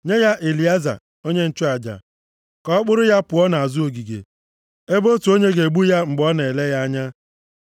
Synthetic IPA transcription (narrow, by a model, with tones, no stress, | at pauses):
ɲe˦ja˦ʔe˨li˨a˦za̰˨ | o˦ɲe˦n̩˦t͡ʃʊ˦a˨d͡ʒa̰˨ | kɔ˦ɔ˦k͡pʊ˦ɾʊ˦ja˦pʊ˨ɔ˦na˨a˨zʊ˦o˨ɡi˨ɡḛ˨ | e˦bo˦tu˨o˦ɲe˦ɡe˨ɡ͡bu˦ja˦ŋ͡m̩˨ɡ͡bɔ˦ne˨le˦ja˦a˦ɲa˦